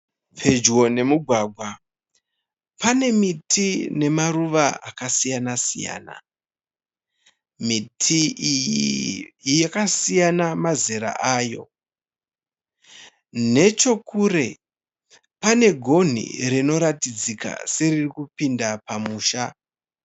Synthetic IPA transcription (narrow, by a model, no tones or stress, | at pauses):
pʰed͡ʒwo̞ne̞muɡʱwaɡʱwa | pane̞mitʰine̞maruʋaʔakasijanasḭja̰ːna̰ | mitʰiji | jakasijanamazeɾa̰ʔaːjo̞̰ | ne̞t͡ʃo̞kuːɾe̞ | pane̞ɡʱo̞n̤ḭɾino̞ɾatid͡zika̰se̞ririkupindapamuːʃa